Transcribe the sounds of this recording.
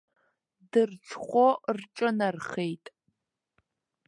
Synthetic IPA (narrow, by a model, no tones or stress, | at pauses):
dɨrt͡sʰχʷort͡ʃʼɐnɐrχejtʼ